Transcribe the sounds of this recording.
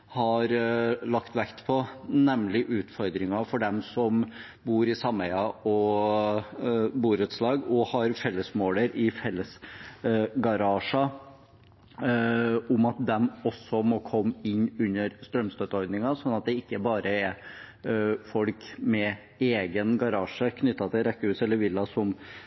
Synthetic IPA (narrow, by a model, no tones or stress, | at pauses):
hɑɾlɑkt̪ʋɛkt̪pʰɔnɛmlɪʔʉːt̪fɔɾd̪ɾɪŋɑfɔɖɛmsɔm | buːɾɪsɑmɛɪɑʔɔ | buːɾət̪slɑːɡɔhɑɾfɛlːəsmoːləɾɪfɛlːəs | ɡɑɾɑːʂɑ | ʊmɑt̪̚d̪ɛmɔsːɔmɔkʰɔmːɪnːʉnːəɾst̪ɾœmst̪øt̪əɔɾd̪nɪŋɑsɔnːɑt̪̚d̪ɛɪkːəbɑːɾəɛ | fɔlkmɛ | eːɡənɡɑɾɑːʂəkʰnʏt̪ːɑt̪ʰɪlɾɛkːəhʉːsɛlːəɾʋɪlːɑsɔm